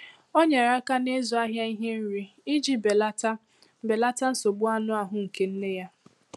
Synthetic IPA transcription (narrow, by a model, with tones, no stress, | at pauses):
o˦ɲe˨ɾa˦ka˦ne˦zʊ˨a˦ɦja˦i˦ɦe˦n̩˦ɾi˦ | i˦d͡ʒi˦be˨la˦ta˦ | be˨la˦ta˦n̩˦so˨ɡ͡bʊ˦a˦nʊ˦a˨ɦʊ˨ŋ̩˨ke˨n̩˦ne˦ja˦